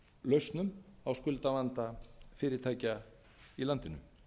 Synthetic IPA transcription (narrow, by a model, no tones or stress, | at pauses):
lœɥst̪nʏmawskʏlt̪avant̪afɪːɾɪɾ̥t̪ʰaːjca | ilant̪ɪnʏ̰m